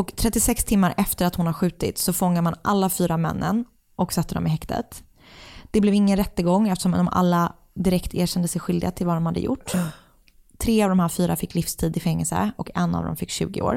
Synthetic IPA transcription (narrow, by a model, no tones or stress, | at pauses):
ɔkt̪ʰɾɛt̪ːɪsɛkst̪ʰɪmːaɾʔɛft̪əɾat̪hʊnhaɾɧʉ̟ːt̪ɪt̪sɔfɔŋːaɾmanʔalːafyːɾamɛ̰nːə̰n | ʔɔksɛt̪ːəɖɔ̰mɪɦɛkt̪ʰə̰t̪ | d̪̥ɛblɛvɪŋːənɾɛt̪ːəɡɔŋːɛft̪ə̥ʂɔmd̪ɔmʔa̰lːa | d̪ɪɾɛkt̪ʰeːɕɛnd̪əsɛjɧʏld̪ɪɡat̪ʰɪlvad̪ɔmhad̪ːə̰jʊ̰ʈː | t̪ʰɾeːavd̪ɔmhæːɾfyːɾafɪkːlɪfst̪ʰiːd̪ɪfɛŋːɛlsə̰ɔkɛnːa̰vd̪ɔ̰mfɪkːɕʉ̟̰ːɡɪ̰o̰ːɾ